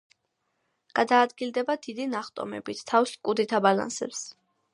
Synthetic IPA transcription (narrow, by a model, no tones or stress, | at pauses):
ɡ̥ad̪aːd̪ɡild̪ɛbad̪id̪inaχt̪ʼɔ̰mɛ̰bit̪ʰt̪ʰːafskʼud̪it̪ʰabala̰nsɛ̰ps